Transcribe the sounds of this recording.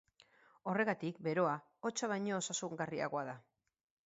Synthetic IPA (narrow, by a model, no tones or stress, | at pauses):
o̞re̞ɣat̪ikbe̞ɾo̞a | ot͡ʃaβ̞ajɲo̞ːsasuŋɡaria̰ɣoaða